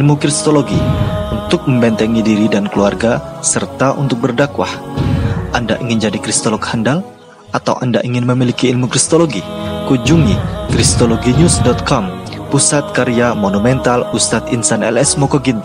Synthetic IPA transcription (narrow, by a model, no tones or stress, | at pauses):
lmukɾist̪oloɡiunt̪ʊk̚məmbɛnt̪ɛŋidiɾidankəluarɡasərt̪aʔṵnt̪ʊk̚bərdakwa̰h | ʔanda̰ʔiŋɪnd͡ʒadikɾist̪olɔkhandal | at̪a̰wʔa̰nda̰ʔiŋɪnməmilikiːlmukɾist̪oloɡikud͡ʒuŋikɾist̪oloɡiɲusdɔt̪̚kɔmpusat̪̚kaɾiamonumɛnt̪alust̪at̪insanɛ̰lɛsmɔkoɡin